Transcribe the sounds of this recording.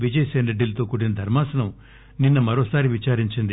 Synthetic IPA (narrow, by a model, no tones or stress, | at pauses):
ʋid͡ʒɐjseːnɾeɖːilɐt̪o̞ːkuʈːinɐd̪ʱɐɾmaːsɐnɐm | ninːɐmɐɾoːsaːɾiʋit͡ʃaːɾiɲt͡ʃind̪i